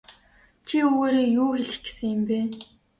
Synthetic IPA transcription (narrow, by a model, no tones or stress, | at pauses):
t͡ɕʰiɵɣeːɾeːjuːxeɮ̆xɡ̥e̥sɘ̆ŋjɪ̆mpeː